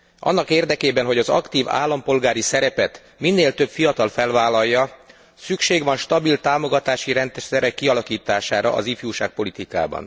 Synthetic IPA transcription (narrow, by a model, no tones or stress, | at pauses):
ʔɒ̰nːɒkeːrd̪ɛkeːbɛnɦo̞ɟɒzɒ̰kt̪iːva̰ːlːɒmpo̞lɡaːɾisɛɾɛpɛt̪ | minːeːlt̪ø̞bfijɒt̪ɒlfɛlvaːlːɒjːɒ | sykʃeːɡʋɒnʃt̪ɒbilt̪aːmo̞ɡɒt̪aːʃiɾɛnt̪sɛɾɛkːiɒlɒkiːt̪aːʃaːɾɒ̰ʔɒ̰zifjuːʃaːk̚po̞lit̪ika̰ːbɒ̰n